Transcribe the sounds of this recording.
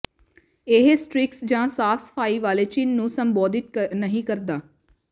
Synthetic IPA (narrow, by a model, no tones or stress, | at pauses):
eɦsʈɾɪksd͡ʒãːsaːfʰsə̥pʰaːiːʋaːleːt͡ʃinːũːsəmbɔːd̪ɪt̪nəɦĩːkəɾd̪aː